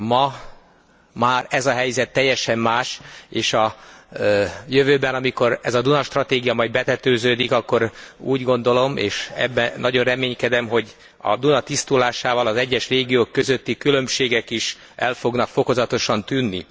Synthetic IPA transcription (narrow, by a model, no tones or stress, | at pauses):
mɒ | maːrɛzɒɦɛjzɛt̪ːɛjːɛʃɛmːaːʃeːʃɒ | jøvøːbɛnɒmiko̞ɾɛzɒd̪unɒʃt̪rɒt̪eːɡijɒmɒjbɛt̪ɛt̪øːzøːd̪ikɒkːo̞ɾṵːɟɡo̞nd̪o̞lo̞mḛːʃɛ̰bːɛnːɒɟo̞nrɛmeːɲkɛd̪ɛmɦo̞ɟ | ɒ̰d̪unɒt̪ist̪ulaːʃaːvɒlɒzɛɟːɛʃreːɡijoːkːø̞zø̞t̪ːikylø̞mʃeːɡɛkiʃ | ɛlfo̞ɡnɒkfo̞ko̞zɒt̪o̞ʃɒnt̪ynːḭ